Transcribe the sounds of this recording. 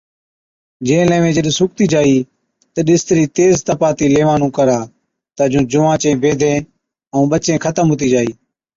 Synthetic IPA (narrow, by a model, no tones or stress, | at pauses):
d͡ʒẽːlẽːʋẽːd͡ʒəɗsʊk̚t̪iːd͡ʒaːiː | t̪əɗɪst̪ɾiːt̪eːzt̪əpaːt̪iːleːʋaːnũːkəɾaː | t̪əd͡ʒũːd͡ʒʊʋãːt͡ʃẽːbeːd̪ʱẽː | əũːɓət͡ʃẽːkʰət̪əmɦoːt̪iːd͡ʒaːiː